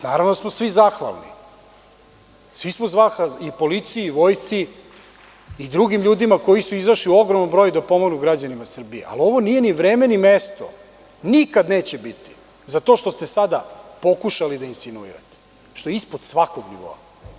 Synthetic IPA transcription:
naːɾaʋnosmosʋizaxʋa̰lˠnḭ | sʋismozʋaxaipo̞lit̪sijiiʋo̞jt̪si | d̪ɾuɡimʎuːd̪imako̞jisuizaʃliuo̞ɡɾomnombɾojud̪apo̞moɡnuɡɾad͡ʑanimasr̩biḛʔa̰lio̞ʋo̞nije̞niʋɾemenimest̪o̰ | nikad̪neːt͡ɕebit̪i̥ | zat̪o̞ʃt̪ost̪e̞sad̪apo̞kuʃalid̪ainsinuḭɾa̰t̪e̥ | ʃt̪oeispod̪sʋako̞ɡnḭʋo̰a̰

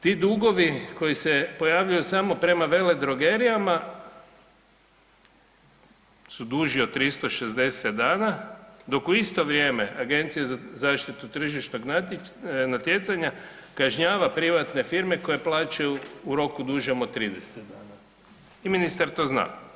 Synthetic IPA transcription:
t̪iːd̪uɡo̞ʋiko̞jisepo̞jaʋʎujusaːmo̞pɾe̞maʋe̞le̞d̪ɾo̞ɡeɾijama | sud̪uʒiot̪t̪ːɾist̪o̞ʃezd̪e̞set̪d̪aːnad̪o̞kuist̪o̞ʋɾjeːmeʔaɡe̞nt̪sijazazaːʃt̪it̪ut̪r̩ʒiʃno̞ɡnanat̪je̞t̪saɲakaʒɲaːʋapɾiʋat̪ne̞fiɾme̞ko̞je̞plˠaːt͡ʃajuːɾo̞kud̪uʒemot̪ːɾid̪eset̪d̪aːna | iminist̪aɾt̪o̞ːzna̰ː

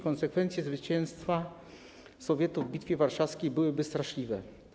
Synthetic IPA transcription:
kɔnsɛkfɛnt̪sʲjɛzvɘt͡ɕɛ̃ñst̪fa | sɔvʲjɛt̪uvːbʲit̪fʲjɛvaɾʂafskʲejbɘwɘbɘst̪ɾaʂlʲivɛ

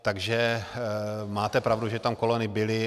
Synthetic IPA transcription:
t̪aɡʒɛ | maːt̪ɛpɾavduʒɛt̪amkolonɪbɪlɪ

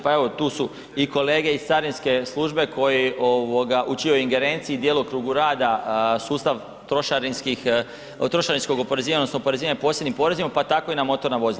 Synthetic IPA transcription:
pae̞ʋot̪uːsu | iko̞le̞ːɡe̞ist̪aɾinske̞slˠuːʒbe̞kʰo̞jiʔoʋoɡaʔut͡ʃiojiŋɡe̞ɾent̪siːd̪jeːlˠukɾuːɡuɾaːd̪asuːst̪aʋ | t̪ɾo̞ʃaɾinskix | t̪ɾo̞ʃaɾinsko̞ɡopo̞ɾe̞ziːaɲdnosnopo̞ɾe̞ziːʋaɲeposje̞d̪nimpo̞ɾe̞zimapat̪ako̞inamo̞t̪o̞ɾnaʋozil

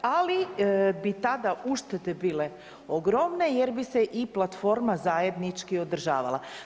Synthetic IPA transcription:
alibit̪ad̪aʔuʃt̪et̪ebiːle̞ | oɡɾo̞mne̞je̞ɾbiseʔiplˠat̪fo̞ɾmazaje̞d̪nit͡ʃkio̞d̪r̩ʒa̰ːʋa̰lˠa̰

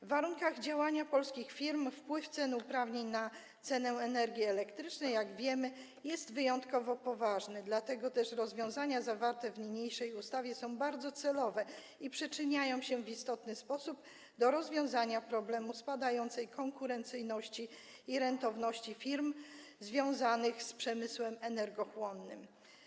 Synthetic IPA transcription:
vːaɾuŋkaɣd͡ʑawaɲapɔlskʲixfʲiɾmfpwɘft̪sɛnupɾavɲeɲna | t̪sɛnɛɛnɛɾɡʲiɛlɛkt̪ɾɘt͡ʂnɛjːaɡvʲjɛmɘ | jɛst̪vɘjɔnt̪kɔvɔpɔvaʐnɘd̪lat̪ɛɡɔt̪ɛʂɾɔzvʲjɔ̃w̃zaɲazavaɾt̪ɛvɲɲejʂɛjust̪avʲjɛsɔ̃w̃baɾd̪zɔt̪sɛlɔvɛ | ipʂɛt͡ʂɘɲajɔ̃w̃ɕɛvist̪ɔt̪nɘspɔsub | d̪ɔɾɔzvʲjɔ̃w̃zaɲapɾɔblɛmuspad̪ajɔnt̪sɛjkʰɔŋkuɾɛnt̪sɘjnɔɕt͡ɕiː | ɾɛnt̪ɔvnɔɕt͡ɕifʲiɾmzvʲjɔ̃w̃zanɘxspʂɛmɘswɛmɛnɛɾɡɔxwɔnːɘm

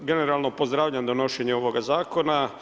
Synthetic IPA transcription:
ɡe̞neɾalˠnopo̞zd̪ɾaːʋʎamd̪ono̞ʃeɲeo̞ʋoɡazaːkona

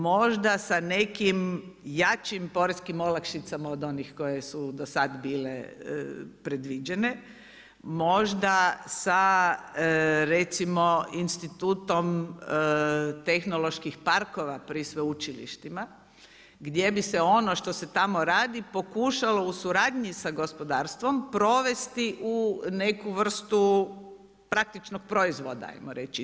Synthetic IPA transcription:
mo̞ʒd̪asanekimjat͡ʃimpo̞ɾeskimolakʃit̪samaod̪o̞nixko̞je̞sud̪osad̪biːlḛ | pɾe̞d̪ʋid͡ʒe̞ne | mo̞ʒd̪asa | ɾet̪simo̞inst̪it̪uːt̪o̞m | t̪e̞xno̞lˠo̞ʃkixpaɾkoʋapɾisʋeut͡ʃilḭʃt̪ima | ɡd̪ʲje̞bise̞o̞noʃt̪o̞se̞t̪amo̞ɾaːd̪ipo̞kuːʃalo̞usuɾaːd̪ɲisaɡo̞spo̞d̪aːɾst̪ʋo̞mpɾo̞ʋe̞st̪iʔune̞kuʋr̩st̪u | pɾak̚t̪it͡ʃnok̚pɾo̞izʋod̪a̰a̰jmoɾet͡ʃi

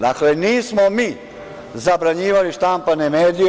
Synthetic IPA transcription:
d̪akleniːsmomiː | zabɾaɲiːʋaliʃt̪ampanemeːd̪ij

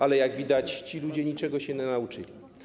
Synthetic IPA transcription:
ʔalɛjaɡvʲid̪at͡ɕt͡ɕilud͡ʑɛɲit͡ʂɛɡɔɕɛnɛnaut͡ʂɘ̰lʲi

